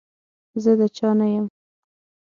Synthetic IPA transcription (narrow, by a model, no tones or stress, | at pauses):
zəd̪ət͡ʃɑnajəm